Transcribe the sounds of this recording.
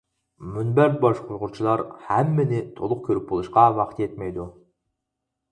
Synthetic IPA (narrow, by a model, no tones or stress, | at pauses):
mynbæɾbɑʃqʰʊɾʁʊɾt͡ʃʰilˠɑɾhæmːɪnɪt̪ʰolˠʊq̚kʲʰɵɾyp̚bolˠuʃqɑvɑqʰə̥t̪et̪mejd̪ʊ